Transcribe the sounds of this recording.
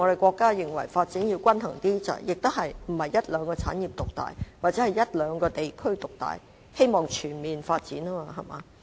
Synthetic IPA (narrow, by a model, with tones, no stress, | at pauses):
ŋɔ˨˧ɾe˨jkʷɔː˧kːaː˥jɪ˨˩ŋwɐ˨˩jfaː˧t̚t͡siː˨˥nji˧wkʷɐ˥nhɐ̰˨˩ŋt̪iː˥t͡sɐ̰˨˩jɪ˨k̚t̪ʊ˥hɐ˨jm̩˨˩hɐ˨jːɐ˥t̚lœː˨˧ŋkɔː˧t͡sʰaː˨˥njiː˨p̚t̪ʊ˨k̚t̪a̰ː˨jwaː˨˩t̚t͡sɛː˨˥hɐ˨jɐ˥t̚lœː˨˧ŋkɔː˧t̪e˨jkʰɵ˥ɥt̪ʊ˨k̚t̪a̰ː˨j | he˥jmɔː˨ŋt͡ʃʰyː˨˩nmiː˨nfaː˧t̚t͡siː˨˥naː˥˧ɦɐ˨jma̰ː˨˧